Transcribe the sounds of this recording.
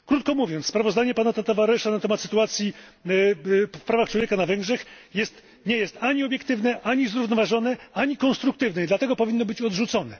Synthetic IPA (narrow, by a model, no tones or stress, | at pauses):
kɾut̪̚kɔmuvʲjɔnt̪sspɾavɔzd̪aɲɛpanat̪at̪ɔvaɾɛʂanat̪ɛmat̪sɘ̥t̪uat̪sʲji | fpɾavaxt͡ʂwɔvʲjekanavɛŋɡʐɛxjɛst̪ | ɲɛjɛst̪aɲiɔbʲjɛk̚t̪ɘvnɛʔaɲizɾuvnɔvaʐɔnɛaɲikɔnst̪ɾuk̚t̪ɘvnɛid̪lat̪ɛɡɔpɔvʲinːɔbɘt͡ɕɔd̪ʐut̪sɔnɛ